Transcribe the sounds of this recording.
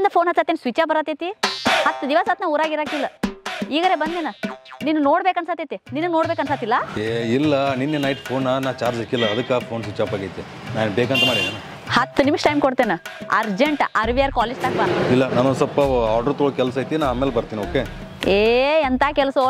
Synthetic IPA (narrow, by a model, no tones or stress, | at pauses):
nd̪ɐpʰoːnɦɐsaːt̪ːeːnsʋit͡ʃabɐɾɐt̪et̪ihɐt̪ːd̪iʋasaːt̪nɐuːɾaːɡiɾaːkilːɐiːɡɐɾeːbɐnd̪enɐninːunoːɽbekɐnsaːt̪et̪ininːunoːɽbeːkɐnsaːt̪ilːɐeilːɐninːenaːjit̪pʰoːnːɐnaːt͡ʃaːɾd͡ʒɐkːilːɐːd̪ɐkːapʰoːnsʋit͡ʃaːpaːɡɐjt̪e | naːnbeːkɐnt̪ɐmaːɽid̪enɐ | hɐt̪ːɨnimʂʈɐjmkoɽt̪eːnuɐ̰ɾd͡ʒeɳʈɐɾʋijaːɾkaːled͡ʒt̪aːkbailːɐnaːnosɐlpːɐaːɾɖoːt̪uɭkɛlsaːjt̪inaːaːmeːlebɐɾt̪iːnioːke | eːɐnt̪ʰaːkɛlso